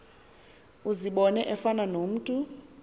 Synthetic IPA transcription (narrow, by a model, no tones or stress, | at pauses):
uziɓɔnɛʔɛfananom̩ːtʼu